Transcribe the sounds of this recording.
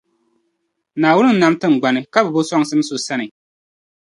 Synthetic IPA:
naː˨wʊ˦nɨ˦nːa˦mtɨ˦ŋ˨ɡ͡ba˨nɨ˨ka˦bɨ˨bo˦sɔ˦ŋ˦sɨ˦m˦so˨sa˦nɨ˨

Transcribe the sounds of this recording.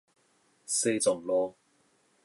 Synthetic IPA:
se˥˧t͡sɔ˨˩ŋlɔː˧˥

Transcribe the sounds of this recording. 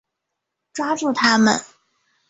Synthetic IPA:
ʈ͡ʂwa˥ʈ͡ʂu˥˩t̪ʰa˥mə̰˨n

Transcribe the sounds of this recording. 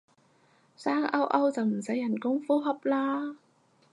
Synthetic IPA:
saː˥ŋʔɐ˥wʔɐ˥wt͡sɐ˨wm̩˨˩sɐ˨˥jːɐ˨˩nkʊ˥ŋfuː˥ɦɐ˨p̚laː˥

